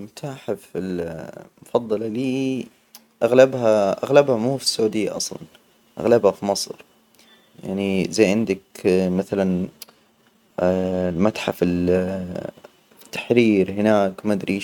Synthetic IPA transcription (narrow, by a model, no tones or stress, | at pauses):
mʊt̪ʰaːħafɪlmʊfɑðˤːɑlaliː | ʔaɣlabhaʔa̰ɣlabhamuːfi̥sːʊʕuːd̪ɪjːa̰ʔɑ̰sˤlɑ̰n | ʔa̰ɣlabhafimɑsˤɾ | ja̰ʕnizajːʕɪnd̪akmaθalan | lmat̪ħafɪl | t̪ːḁħɾiːɾhɪnaːkmad̪ɾiː